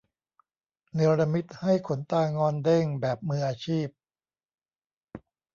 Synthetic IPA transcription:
nɯ˩˦ɐɾa˧mi˦˥t̪̚ha˥˩jkʰo˩˦nt̪aː˧ŋɔː˧nde˥˩ŋbɛː˨˩p̚mɯː˧ʔaː˧t͡ɕʰiː˥˩p̚

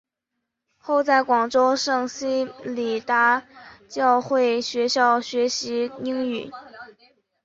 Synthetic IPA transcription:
xo˥˧ʊt͡sa˥˩ɪkwɑ˨˩ŋʈ͡ʂo˥ʊʂɤ˥˩ŋɕi˥li˨˩t̪a˧˥t͡ɕjɑ˥˧ʊxwe˥˩ɪɕɥɛ˧˥ɕjɑ˥˩ʊɕɥɛ˧˥ɕi˧˥i˥ŋy˨˩˦

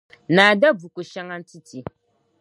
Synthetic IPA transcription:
naː˨da˦bu˨ko˨ʃa˦ŋa˦n˦ti˦ti˨

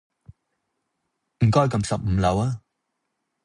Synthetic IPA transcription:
m̩˨˩kɔː˥jkɐ˧msɐ˨p̚m̩ː˨˧lɐ˨˧waː˦

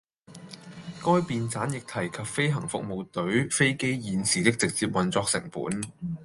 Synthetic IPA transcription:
kɔː˥jpiː˨˧nt͡saː˨˥njɪ˨k̚t̪ʰɐ˨˩jkʰɐ˨p̚fe˥jɦɐ˨˩ŋfʊ̰˨k̚mo˨˧wt̪ɵ˨˥ɥfe˥jke˥jjiː˨˧nsiː˨t̪ɪ˥k̚t͡sɪ˨k̚t͡siː˧p̚wɐ˨nt͡sɔː˧ksɪ̰˨˩ŋpṵː˨˥n

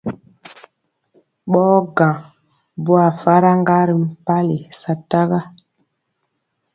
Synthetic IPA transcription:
ɓɔː˦ɡã˨ | bu˦a˨fa˦ɾa˦ŋɡa˦ɾi˨m̩˦pa˦le˨sa˦ta˦ɣa˦

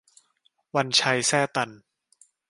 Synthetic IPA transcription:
wa˧nt͡ɕʰa˧jsɛː˥˩t̪a˧n

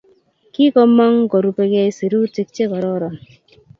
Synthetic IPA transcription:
ki˦kɔ˦ma˦ŋkɔ˨ɾu˨pe˧kɛ˦si˨ɾu˦ti˦k̚t͡ʃe˦kɔ˨ɾɔ˦ɾɔ˨n

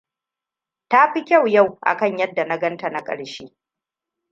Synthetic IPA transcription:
ta˦ɸi˦kʲa˦˨wja˦˨wʔa̰˨kɐ˦˨ɲjɐ˦dːa˨na˦ɡɐ˦nta˨na˦kʼɐ̰˨ɽʃiː˦

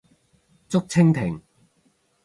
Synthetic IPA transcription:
t͡sʊ˥k̚t͡sʰɪ˥ŋt̪ʰɪ˨˩ŋ

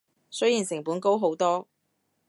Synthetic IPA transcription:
sɵ˥jiː˨˩nsɪ˨˩ŋpuː˨˥nko˥wɦo˨˥wt̪ɔː˥

